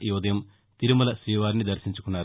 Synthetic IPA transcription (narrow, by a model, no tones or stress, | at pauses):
juːd̪ɐjɐm | t̪iɾumulɐʃɾiːʋaːɾnid̪ɐɾʃiɲt͡ʃu̥kunːaːɾ